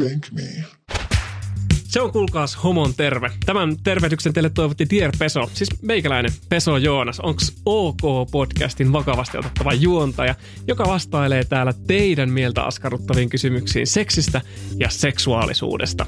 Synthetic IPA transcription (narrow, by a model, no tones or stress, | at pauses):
æŋkmḭ | seoŋkulkɑːshomont̪e̞rʋet̪æmænt̪e̞rʋed̪yksent̪elːet̪ːo̞jʋot̪ːit̪ierpe̞so̞siːsmeikælæinepe̞so̞jo̞ːnɑsoŋksoːko̞ːpo̞dkæ̰st̪inʋɑkɑʋɑst̪iʔot̪et̪ːɑʋɑjuont̪ɑjɑ | jo̞kɑʋɑst̪ɑjle̞ːt̪æːlːæt̪e̞idæmmielt̪æ̰ɑ̰skɑrut̪ːɑʋiːŋkysymyksḭːnse̞ksist̪æ | jɑse̞ksuɑ̰ːlḭsṵːdest̪ɑ̰